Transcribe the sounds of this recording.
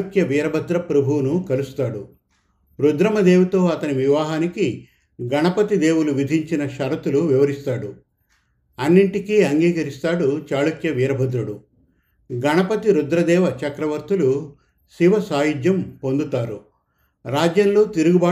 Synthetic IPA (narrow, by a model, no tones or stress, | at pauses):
ukjɐʋiːɾɐbʱɐd̪ɾɐpɾɐbʱunukɐlust̪aːɽu | ɾud̪ɾɐmɐd̪eːwut̪o̞ːɐt̪ɐniʋiʋaːɦaːniki | ɡɐɳɐpɐt̪id̪eːwuluʋid̪ʱiɲt͡ʃinɐʃɐɾɐt̪uluʋiʋɐɾist̪aːɽu | ɐnːiɳʈikiːɐŋɡiːkɐɾist̪aːɽut͡ʃaːlukjɐʋiːɾɐbʱɐd̪ɾuɽu | ɡɐɳɐpɐt̪iɾud̪ɾɐd̪ɛːʋɐt͡ʃɐkɾɐʋɐɾt̪ulu | siʋɐsaːjud͡ʒjɐmpond̪ut̪aːɾu | ɾaːd͡ʒjɐnlo̞ːt̪iɾuɡubaː